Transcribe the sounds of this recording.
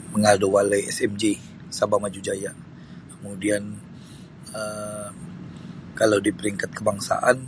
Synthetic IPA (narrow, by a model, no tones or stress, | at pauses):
məŋaduwalajɛ̰sɛmd͡ʒe | sabamad͡ʒud͡ʒaja | kəmudian | ə | kalawdipəɾiŋkat̪̚kəbaŋsa̰ʔan